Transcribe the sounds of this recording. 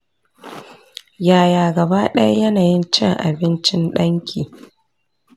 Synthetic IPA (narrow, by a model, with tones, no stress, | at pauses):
jaː˨jaː˨ɡɐ˨baː˦ɗɐ˦ja˦jɐ˦naː˨jɪ˦nt͡ʃɪ˦ŋʔa̰˨bɪ˦nt͡ʃɪ˦nɗɐ˦ŋkʲʰiː˨